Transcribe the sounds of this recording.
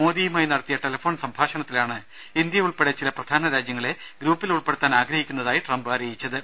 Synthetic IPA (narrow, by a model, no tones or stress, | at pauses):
moːðijumaːjinɐɽɐt̪ːijɐʈelɐfoːnsɐmbʱaːʂɐɳɐt̪ːilaːɳɨ | ind̪jɐuɭpe̞ɽet͡ɕilɐprɐd̪ʱaːnɐɾaːd͡ʑjɐŋːɐɭe̞ɡɾuːpːiluɭpe̞ɽut̪ːaːnaːɡɾɐhikʲːunːɐðaːjiʈrɐmbaːɾɐjit͡ɕːɐðɨ